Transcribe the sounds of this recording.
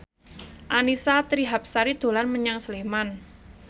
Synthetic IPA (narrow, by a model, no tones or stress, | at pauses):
ʔanisat̪ɾiɦap̚saɾid̪̥o̤lanməɲaŋsəleman